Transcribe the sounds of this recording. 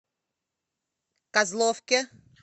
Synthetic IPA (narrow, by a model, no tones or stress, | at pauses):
kazlˠɔfkʲe